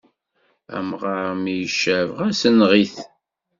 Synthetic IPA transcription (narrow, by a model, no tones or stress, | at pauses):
æ̰mʁɑɾmijəʃːævʁæsənʁiθ